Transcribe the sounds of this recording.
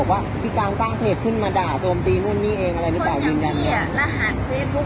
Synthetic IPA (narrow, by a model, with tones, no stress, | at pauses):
k̚waː˥˩mʰiː˧kaː˧nsaː˥˩ŋpʰeː˨˩t̪̚kʰɯ˥˩nmaː˧daː˨˩t͡ɕo˧mt̪iː˧nu˥˩ə˨nːiː˥˩ʔeː˧ŋʔa˧ɾa˧jɾɯ˦˥laː˨˩wjɯː˧nja˧˩n˧laː˧ɦaː˨˩˦nfeː˧˩u˦˥